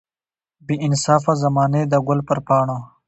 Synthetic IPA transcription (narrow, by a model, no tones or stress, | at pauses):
biɪnsaːfazɐmaːned̪əɡʊlpɐɾpaːɳa